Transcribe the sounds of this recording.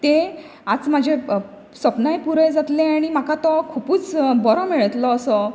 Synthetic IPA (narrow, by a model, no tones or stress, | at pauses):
t̪e | at͡smad͡ʑʱe | səpnajpuɾəjd͡zat̪lẽaɽ̃im̤akat̪ɔkʰupuːt͡sbɔɾɔmiɭət̪lɔːsɔ